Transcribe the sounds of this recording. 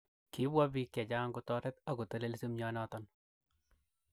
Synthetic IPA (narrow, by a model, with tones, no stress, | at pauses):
ki˦bwa˦bi˦kja˨d͡ʒa˦ŋku˦tɔ˦ɾɛ˦t̪a˦ku˨te˦le˦lsi˦mɲɔ˦nɔ˦tɔn